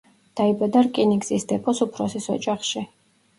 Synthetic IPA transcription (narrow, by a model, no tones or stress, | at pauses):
d̪̥aibad̪aɾkʼiniɡzisd̪ɛpʼɔsupʰɾɔsisɔd͡ʒʼaχʃi